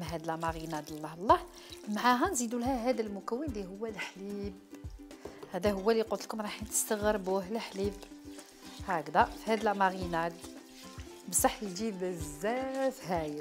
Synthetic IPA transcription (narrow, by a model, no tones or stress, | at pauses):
mɦæd̪læmɑɣinæd̪əlˤːɑhlˤːɑħ | maʕaɦænzid̪ulɦæɦæd̪əlmʊkəwːənd̪iɦʊwːælħlib | hæd̪æɦʊwːæliqʊt̪əlkʊmɾˤɑħnt̪ə̥st̪əɣəɾˤbuhlħlib | hakd̪æfihæd̪əlmɑɣinæd̪ | bəsˤɑħjd͡ʒ̪ibəzːæfhæjə